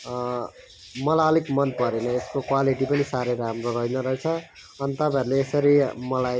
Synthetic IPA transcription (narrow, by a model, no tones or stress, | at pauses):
mʌlaʌlikmʌnpʌɾenʌeskokwaliʈipʌnisaɾeɾaamroɾʌɦinʌɾʌɦet͡sʰʌ | ʌnit̪ʌpãeɾuleːsʌɾimʌlaj